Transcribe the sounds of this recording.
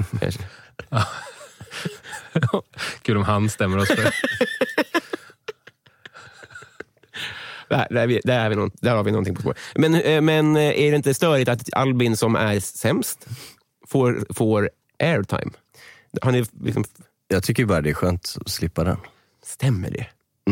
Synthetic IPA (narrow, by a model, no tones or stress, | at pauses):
a̰ʂ | kʰʉːlɔmɦanst̪ɛmːəɾɔs | æd̪æɾvɪd̪æɾhaɾvɪnɔ̰nd̪æɾhaɾvɪnɔnt̪ɪŋpɔspo̰ːɾmɛnmɛnʔæɖɛɪnt̪əst̪œːɾɪt̪at̪a̰lbɪnsɔmæɾsɛmst̪ | foːɾfoːɾ | ʔɛɾʈʰa̰ɪm | hanɪlɪ̰ksɔ̰m | jɑːɡt̪ʰʏkːəɾbɑːɾad̪ɛːɧøːnt̪ɔslɪpːad̪ɛ̰n | st̪ɛmːə̰ɖɛ̰